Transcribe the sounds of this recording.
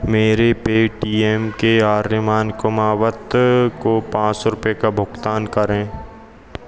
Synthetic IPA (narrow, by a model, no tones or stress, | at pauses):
meːɾepeːʈiːɛːmkeaːɾnɪmaːnkʊmaːwət̪kopãːt͡ʃsɾʊpekabʱʊɡt̪aːnkəɾẽː